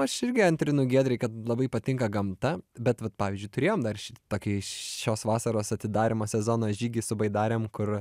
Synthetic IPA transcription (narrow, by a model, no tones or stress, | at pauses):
ɐʃɪɾʲɡʲɪɐnʲt̪ʲɾʲɪnʊɡʲiɛd̪ʲɾʲɛɪkɐt̪lˠɐbɐɪpɐt̪ʲɪŋkɐɡɐmt̪ɐbʲɛt̪ʋɐt̪̚pɑːʋʲɪzʲd͡ʒʲʊɪt̪ʊɾʲeːjoːmd̪ɐrʃʲɪt̪t̪oːkʲɪʃoːsʋɑːsɐɾoːsɐt̪ʲɪd̪ɑːɾʲɪmoːsʲɛzoːnoːʒʲiːɡʲiɪsʊbɐɪd̪ɑːɾʲeːmkʊr